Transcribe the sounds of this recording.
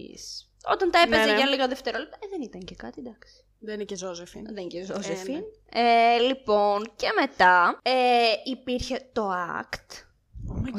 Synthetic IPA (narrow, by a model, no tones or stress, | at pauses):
s | o̞̰t̪ɐnt̪ɐepezeʝɐliɣɐðeft̪eɾolep̚t̪ɐðenit̪ɐɲcekɐt̪id̪ɐksi̥ | ðenicezozefḭnðenicezozefin | elipo̞nce̞me̞t̪ɐeipiɾçe̞t̪o̞ɐ̰kt̪